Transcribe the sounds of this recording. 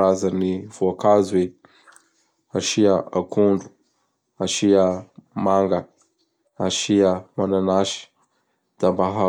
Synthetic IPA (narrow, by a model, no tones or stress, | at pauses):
azaniv̥uakazuwe | aʃiaakʰuɳɖ͡ʐu̥ | aʃiamaŋɡa | aʃiamananaʃi̥ | d̪̥ambaɦa